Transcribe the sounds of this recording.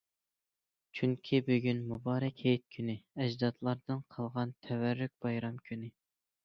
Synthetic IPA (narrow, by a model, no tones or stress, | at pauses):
t͡ʃʰyŋkʲʰibyɡʲynmubɑːɾɛkʲhejt̪̚kʲʰynɪɛd͡ʒd̪ɑt̪lˠɑɾd̪ɨnqʰɑlˠʁɑnt̪ʰɛwæɾːyk̚ʲb̥ɑjɾɑmkʲʰynɪ